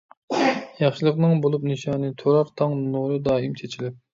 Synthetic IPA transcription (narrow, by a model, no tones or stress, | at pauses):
jɑχʃɨlˠəqnɨŋbolˠupnɨʃɑːnɨt̪ʰoɾɑɾt̪ʰɑŋnuɾɨd̪ɑːimt͡ʃʰet͡ʃʰilɪp̚